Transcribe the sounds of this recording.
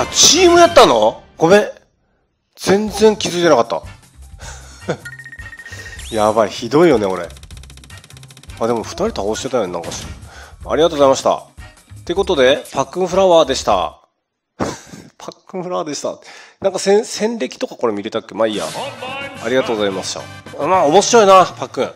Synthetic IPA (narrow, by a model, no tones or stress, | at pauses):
at͡ɕiːmɯ̟jat̪ːano̞kome̞ | d͡zẽ̞nd͡zẽ̞ŋkʲizɨit̪e̞nakat̪ːa̰ | jaβaiçid̪o̞ijo̞ne̞o̞ɾe̞̰ | aːd̪e̞mo̞ɸɯ̟̥t̪aɾʲit̪aosɕi̥t̪e̞t̪ajonenã̰ŋkaɕia̰ɾiɣat̪oːɣo̞zaimaɕi̥t̪a̰ | t̪ːe̞ko̞t̪o̞d̪e̞pakːɯ̟̃ɰ̃ɸɯɾaβaːd̪e̞ɕi̥t̪a̰ | pʰakːɯ̟̃ɸ̟ɾaβaːd̪e̞ɕi̥t̪a̰nãŋkasẽsẽ̞nɾʲe̞kʲi̥t̪o̞kako̞ɾe̞mʲiɾe̞t̪akʲːe̞maija̰ | a̰ɾʲiɡat̪oːɡzaimasɨ̥ɕa̰maːomo̞ɕiɾo̞inapakːɯ̟̃ɴ